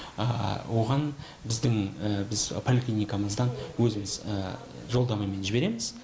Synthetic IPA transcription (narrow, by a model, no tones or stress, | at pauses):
ə̰wo̞ʁɑn | bɪzd̪ɪŋbɪzpʰolʲiklʲinʲijkaməzd̪ɑnwɵzɪmɪzə | ʒo̞lˠd̪ɑmɑme̞nʒɪbe̞ɾe̞mɪz̥